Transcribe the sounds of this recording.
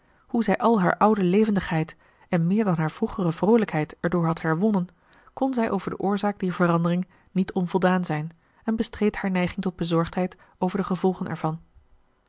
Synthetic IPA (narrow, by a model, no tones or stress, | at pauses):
huzɛjʔɑlˠɦa̰ːɹʔɑwdəlejvəndəχɦɛjt | ɛnmɪːɹdɑnɦaːɹv̥ruχərəvrowləkɦɛjtɛɹdʊːɹɦɑtɦɛɹʋɔnən | kɔnzɛjʔowvəɹdə̰ʔʊːɹzaːɡ̚diːɹvərɑndərɪŋ | nitʰɔnvɔlˠdaːnzɛjn | ɛnbəstrejthaːɹnɛjχɪŋtɔd̚bəzɔɹχtɦɛjt | owvəɹdəχəvɔlˠχənʔɛ̰ɹv̥ɑn